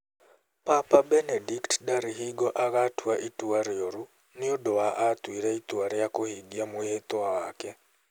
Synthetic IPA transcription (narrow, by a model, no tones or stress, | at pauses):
papabɛnediktdaɾiɦiɡɔʔaɣatwaʔituaɾoɾu | nɪodɔaʔat̪wiɾɛit̪waɾjakohiɡjamʊjet̪ʊawakɛ